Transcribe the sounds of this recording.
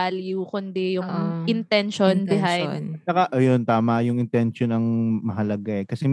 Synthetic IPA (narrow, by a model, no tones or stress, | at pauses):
aljukʊnd̪ɛjʊŋɪnt̪ɛnʃond̪ɪɦajɐt͡ʃɐkaʔɐjont̪aːmɐjʊŋɪnt̪ɛnʃonɐŋmɐɦɐlɐɡaɛkɐsɛ